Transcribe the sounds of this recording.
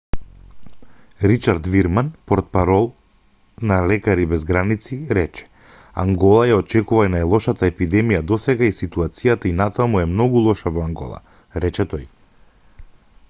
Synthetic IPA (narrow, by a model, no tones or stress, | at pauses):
ɾit͡ʃaɾt̪viɾmanpɔɾt̪̚paɾɔlˠ | nalɛkaɾibɛzɡɾanit̪siɾɛt͡ʃɛ̥ | a̰ŋɡɔlˠajaɔt͡ʃɛkuvainajlˠɔʃat̪aɛpid̪ɛmijad̪ɔsɛɡaisit̪uat̪sijat̪ainat̪amuɛmnɔɡulˠɔʃavɔaŋɡɔ̰lˠa̰ | ɾɛt͡ʃɛt̪ɔj